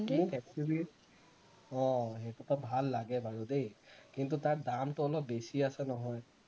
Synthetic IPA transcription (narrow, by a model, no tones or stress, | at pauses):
mukɛk̚sibi | ɔ̃ɦetutabʱalːaɡɛbaɹudejkint̬utaɹdamtʊɔlɔp̚besiasɛnɔɦɔj